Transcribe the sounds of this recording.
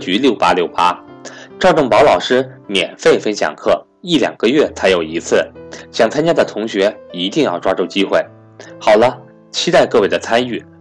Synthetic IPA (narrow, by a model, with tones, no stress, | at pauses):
t͡ɕy˧˥ljo˥˩ʊpa˥ljo˥˩ʊpa˥ʈ͡ʂʊʈ͡ʂʊ˥˩ŋpɑ˧˥ʊlɑ˨˩ʊʂɻ̩˥mjɛ̰˨˩nfe˥˩ɪfə˥nɕjɑ̰˨˩ŋkʰɤ˥˩ | i˥˩ljɑ̰˨˩ŋɡ̥ə˦ɥɛ˥˩t͡sʰa˧˥ɪjo˨˩ʊi˧˥t͡sʰɹ̩˥˩ɕjɑ˥˩ŋt͡sʰa˥nt͡ɕja˥d̪ə˨t̪ʰʊ˧˥ŋɕɥɛ˧˥i˧˥t̪i˥˧ŋjɑ˥˧ʊʈ͡ʂwa˥ʈ͡ʂu˥˧˩t͡ɕi˥xwe˥˩ɪ | xɑ˨˩ʊlə˦ | t͡ɕʰi˥t̪a˥˧ɪkɤ˥˧we˥˩ɪə˩t͡sʰa˥ny˥˩